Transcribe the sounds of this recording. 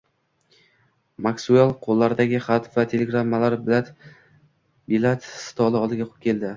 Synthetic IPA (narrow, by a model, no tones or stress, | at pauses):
maksualˠqʰolˠːaɾd̪aɡʲɪχat̪vat̪ʰe̞le̞ɡɾamːalaɾat̪ | bilat̪sɪ̥t̪ʰɒlˠɪɒlˠd̪ɪɡʲaqʰʊ̥p̚kʲʰe̞ld̪ɪ